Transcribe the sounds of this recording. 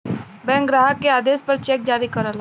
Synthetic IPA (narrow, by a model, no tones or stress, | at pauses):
bɛ̃ːŋkɡɾaːɦəkːeaːd̪eːspɐɾt͡ʃɛːk̚d͡ʒaːɾikɐɾəl